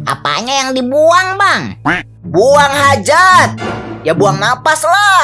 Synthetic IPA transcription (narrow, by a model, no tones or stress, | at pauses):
ʔa̰pa̰ɲajaŋdibuaŋbaŋ | buaŋhad͡ʒat̪̚jabuaŋnapasla